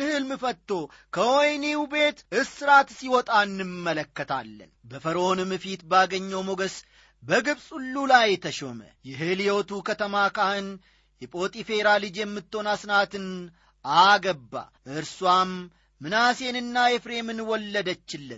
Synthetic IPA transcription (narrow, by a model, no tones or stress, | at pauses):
ɨhɨlmɨfət̪ːo̞ | kʰəwojniwube̞t̪ʔɨsɨɾat̪siwɔt̪ʼaɨnːɨmːələkːət̪ʰa̰lːə̰nbəfəɾo̞nɨmɨfit̪baɡəɲːowmoɡəs | bəɡɨbsʼulːulajt̪ʰəʃomə̰jɛɦɨljot̪ukət̪ʰəmakahɨn | hipʼo̞t̪ʼife̞ɾalɨd͡ʒjɛmːɨt̪ːo̞nasnat̪ɨn | aɡəbːa̰ʔɨɾswamː | ɨnase̞nɨnːajefɾe̞mɨnwɔlːəd̪ət͡ʃːɪlːɨn